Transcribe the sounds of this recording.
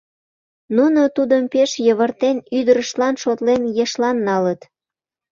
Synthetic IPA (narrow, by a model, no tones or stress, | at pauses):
nunot̪ud̪əmpeʃjəβərt̪enyd̪əɾəʃlɑnʃot̪lenjeʃlɑnːɑlət̪